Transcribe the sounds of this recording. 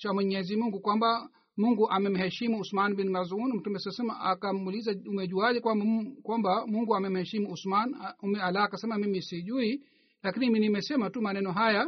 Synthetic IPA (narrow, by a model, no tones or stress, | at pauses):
t͡ʃamwɛɲɛzimuŋɡukwamba | muŋɡuʔamɛm̩hɛʃimuusmanbinmazunm̩tumɛssɛmaakamuːlizaumɛʄuaʄɛkwambkwambamuŋɡuamɛm̩hɛʃimuusmanumɛalaːkasɛmamimisiʄui | lakiniminimɛsɛmatumanɛnɔɦaja